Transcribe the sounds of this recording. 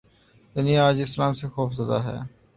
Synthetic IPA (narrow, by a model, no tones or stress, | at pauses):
t̪ɪniaːd͡ʒɪslaːmsexoːfzɐd̪a̰ɦɛ̰ː